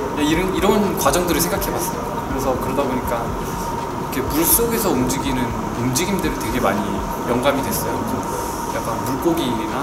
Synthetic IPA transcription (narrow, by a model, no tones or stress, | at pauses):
aiɾɯniɾʌnkwad͡ʑʌŋdɯɾɯɭsʰeŋɡakʰe̞bwas͈ʌjo | kɯɾe̞sʰʌkɯɾʌdaboɲik͈a | kʰe̞puɭs͈oɡe̞sʰʌumd͡ʑiɡinɯn | umd͡ʑiɡimdɯɾɯteɡe̞ma̰ɲi | jʌŋɡamidwe̞s͈ʌjo | jak͈anmuɭk͈oɡi | ɡa